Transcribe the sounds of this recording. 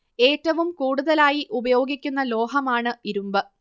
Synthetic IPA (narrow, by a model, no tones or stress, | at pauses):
e̞ːʈːɐʋumkuːɽuðɐlaːjiʔubɐjo̞ːɡikʲːunːɐlo̞ːɦɐmaːɳɨiɾumbɨ